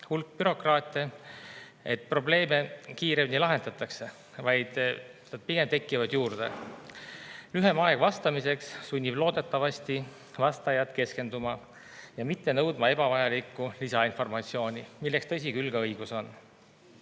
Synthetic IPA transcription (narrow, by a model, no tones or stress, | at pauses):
hulk̚b̥yɾo̞krɑːt̪ʲˑːe | et̪̚pro̞ble̞ːme̞kiːɾemnʲilɑɦe̞nd̪ɑt̪ːˑɑkse̞ | vɑjd̪̥nɑd̪̥̚piɡ̥e̞mt̪e̞kːˑivɑd̪̥juːrd̪̥ḛ | lyɦemɑe̞ɡ̥vɑst̪ɑmise̞ksːunʲːib̥lo̞ːd̪̥e̞t̪ːˑɑvɑst̪i | vɑst̪ɑjɑt̪ke̞ske̞nd̪umɑ | jɑmit̪ːe̞nɤwd̪mɑe̞b̥ɑvɑjɑlikːˑulisɑinfo̞rmɑt̪sio̞ːnʲimilːekst̪ɤs̬ʲikylɡ̥ɑɤjɡ̥uso̞n